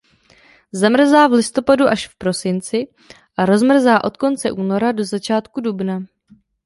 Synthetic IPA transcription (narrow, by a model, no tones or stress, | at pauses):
zamr̩zaːvlɪst̪o̞paduʔaʃfpɾo̞sɪnt͡sɪ | ʔaɾo̞zmr̩zaːʔo̞t̪ko̞nt͡sɛʔuːno̞ɾado̞zat͡ʃaːt̪kudubna